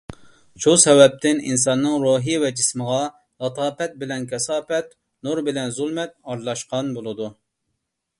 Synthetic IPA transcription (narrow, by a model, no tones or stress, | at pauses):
ʃusɛwɛp̚t̪ʰɪnḭns̬ɑnːɨŋɾoɦijvɛd͡ʒɪsməʁɑ | lˠɑt̪ʰɑːpɛt̪̚bɪlɛnkʲʰɛsɑːpɛt̪ | nuɾbɪlɛnzulˠmɛt̪̚ɑɾlˠɑʃqɑnbolˠɨd̪u